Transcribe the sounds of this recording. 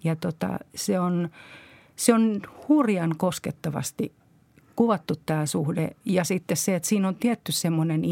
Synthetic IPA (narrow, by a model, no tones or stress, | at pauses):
jɑt̪ot̪ɑ̰seon | seonhurjɑnkosket̪ːɑʋɑ̰st̪i | kuʋɑt̪ːut̪tæːsuhdḛjɑsit̪ːesseet̪siːnont̪iɛt̪ːyssemːoneni